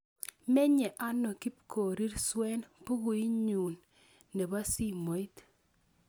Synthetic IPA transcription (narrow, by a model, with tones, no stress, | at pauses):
mɛ˦ɲɛ˨ʔa˦no˨ki˦p̚kʰo˨ɾi˦ɾswɛ˦npu˦ɡu˨i˦ɲu˨nː | e˨ba˦si˦mo˨i˦t̪